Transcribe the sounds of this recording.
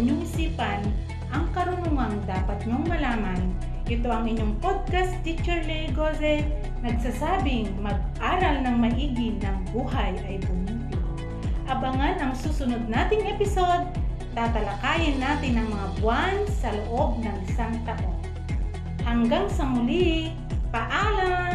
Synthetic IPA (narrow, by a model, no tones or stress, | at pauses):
ɲoŋɪsiːpɐn | ʔɐŋkɐɾʊnʊŋɐŋd̪aːpɐt̪̚ɲoŋmɐlaːmɐn | ʔɛt̪o̞ʔɐŋɪɲːoŋpod̪̚kast̪it͡ʃɛɹlɛɡosɛ | nɐɡ̚sasaːbɪŋmɐɡ̚ʔaːɾɐlnɐŋmɐʔiːɡɪnɐŋbuːɦɐjʔɐjbʊmit̪ɪ | ʔɐbɐŋanɐŋsuːsʊnod̪̚naːt̪ɪŋʔɛpɪso̞d̪̚ | t̪at̪ɐlɐkaːjɪnːaːt̪ɪnːɐŋmɐŋabʊansɐloʔo̞b̚nɐŋsaŋt̪ɐt̪o | hɐŋɡaŋsɐmʊli | pɐʔaːla